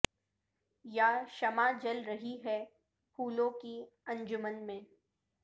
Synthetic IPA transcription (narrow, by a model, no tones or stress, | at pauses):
jaːʃɐmad͡ʒɐlɾɐɦiɦɛ | pʰuːlõki | ɐ̃ɲd͡ʒʊmənmẽː